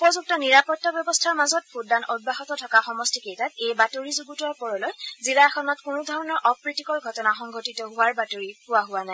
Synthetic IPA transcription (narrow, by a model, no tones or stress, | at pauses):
upɔzuk̚tɔniɹapɔtːɔbjɔbɔstʰaɹmazɔt̚pʰuddanɔd̚baɦɔtɔtʰɔkaxɔmɔstikejtatejbatoɹizuɡutuapɔɹɔlɔjzilaɛxɔnɔtkunudʱɔɹɔnɔɹʔɔpɹitikɔɹɡʱɔtɔnaxɔŋɡʱotitɔɦʊaɹbatoɹikʊwaɦʊanaɛ